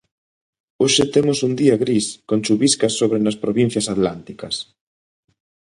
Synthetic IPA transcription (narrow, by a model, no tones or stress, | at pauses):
oʃɪt̪emʊsund̪iɐɣɾiskont͡ʃuβiskɐsːoβɾenɐspɾoβin̟θjɐsat̪lant̪ikɐs